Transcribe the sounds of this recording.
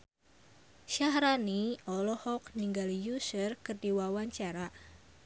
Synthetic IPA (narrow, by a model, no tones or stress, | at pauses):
ʃahɾaniɔlɔhɔkniŋɡalijusərkərdiwawaɲt͡ʃaɾa